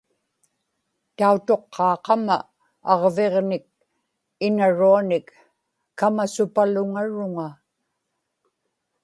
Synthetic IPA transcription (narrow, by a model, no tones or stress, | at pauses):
t̪aut̪o̞qʰːɑːqɑma̰ | ɑʁve̞ʁnɪk̚ | ɪnaɻuanɪkː | amasʊpalʊŋaɻʊŋa